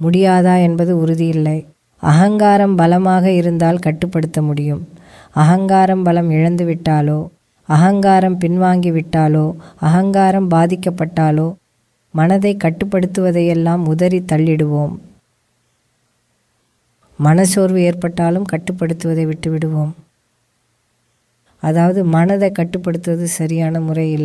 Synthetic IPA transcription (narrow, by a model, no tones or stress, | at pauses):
mʊɽɪjaːðaːɛnbɐðɯʊɾɯðɪjɪlːɐɪ | ɐ̰ɣɐŋɡaːɾɐmbɐlɐmaːɣɐɪɾɯnd̪aːlkɐʈːɯpːɐɽɯt̪ːɐmʊɽɪjɯm | ɐɣɐŋɡaːɾɐmbɐlɐmɪɻɐnd̪ɯʋɪʈːaːloː | ɐɣɐŋɡaːɾɐmpɪnʋaːŋɡiʋɪʈːaːloːɐɣɐŋɡaːɾɐmbaːðɪkːɐpːɐʈːaːloː | mɐnɐðɐɪkːɐʈːɯpːɐɽɯt̪ːɯʋɐðɐjɛlːaːmʊðɐɾit̪ɐɭːɪɽɯʋoːm | ɐnɐsoːɾʋɯeːɾpɐʈːaːlɯmkɐʈːɯpːɐɽɯt̪ːɯʋɐðɐɪʋɪʈːɯʋɪɽɯʋoːm | ɐðaːʋɐðɯmɐnɐðɐɪkːɐʈːɯpːɐɽɯt̪ːɯʋɐðɯsɐɾɪjaːnɐmʊrɐjɪlː